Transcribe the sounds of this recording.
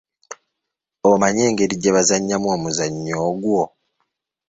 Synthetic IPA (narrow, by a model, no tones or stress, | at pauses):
omaɲe̞ːŋɡeɾiɟeβazaɲːamwo̞ːmuzaɲːoːɡwo